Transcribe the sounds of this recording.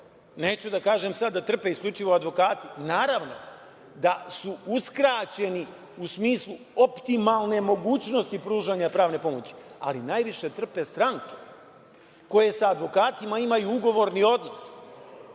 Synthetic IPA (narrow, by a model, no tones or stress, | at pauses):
neːt͡ɕud̪akaːʒe̞msad̪ːat̪r̩pe̞isklʲut͡ʃiʋoad̪ʋo̞kaːt̪inaːɾaʋno̞̰ | d̪asuuskɾaːt͡ɕe̞ni | usmiːslˠu | opt̪imalˠne̞mo̞ɡuːt͡ɕno̞st̪ipɾuːʒaɲapɾaːʋne̞po̞mot͡ɕi̥a̰linajʋiʃe̞t̪r̩pe̞st̪ɾaŋke̞ | ko̞je̞saːd̪ʋo̞kaːt̪imaimajuuɡo̞ʋo̞ɾnio̞d̪no̞s